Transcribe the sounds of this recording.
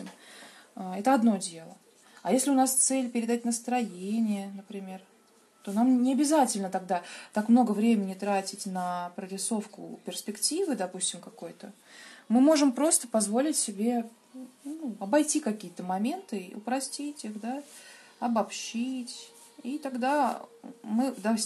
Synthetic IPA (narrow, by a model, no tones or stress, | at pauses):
ɪm | ɛt̪əɐd̪no̞dʲe̞lˠə | ɐjesʲlʲɪʊnast̪sɛlʲpʲɪɾʲɪd̪atʲnəst̪ɾɐjenʲɪjənəpɾʲɪmʲe̞r | t̪o̞namnʲɪɐbʲɪzatʲɪlʲnət̪ɐɡ̚d̪at̪akmno̞ɡəvɾʲemʲɪnʲɪt̪ɾatʲɪtʲnəpɾəɾʲɪso̞fkʊ̰pʲɪrspʲɪktʲivɨd̪ɐpusʲtʲɪmkɐko̞jt̪ə | mɨmo̞ʐɨmpɾo̞st̪ə̥pɐzvo̞lʲɪtʲsʲɪbʲe̞ | nuɐbɐjtʲikɐkʲijət̪əmɐmʲe̞nt̪ɨiʊ̰pɾɐsʲtʲitʲixd̪a | ɐbɐpɕitʲ | it̪ɐɡd̪a | mɨd̪a